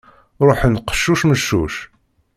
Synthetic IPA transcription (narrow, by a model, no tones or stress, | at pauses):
ɾˤoħnqːə̥ʃːuʃməʃːṵʃ